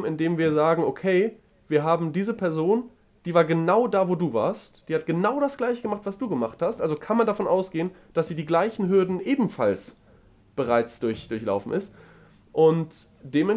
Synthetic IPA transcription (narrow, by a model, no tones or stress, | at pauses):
mɪndeːmviːɐzaːɡŋ̩ʔokʰeɪ | viːɐɦaːbm̩diːzəpʰɛɐzoːn | d̥iːvaːɐɡənaʊdaːvoːduːva̰ːɐstd̥iːhat̚ɡ̥ənaʊɾasɡ̥laɪçəɡəmaχtv̥asd̥uːɡəmaχthastʔalzokʰanmandafɔnʔaʊsɡ̥eːənd̥asz̥iːdiːɡlaɪçn̩ɦʏɐdn̩ʔeːbm̩fa̰ls | b̥əʁaɪt͡sd̥ʊɐçd̥ʊɐçla̰ʊfn̩ʔɪst | ʔʊnt | d̥eːmɛn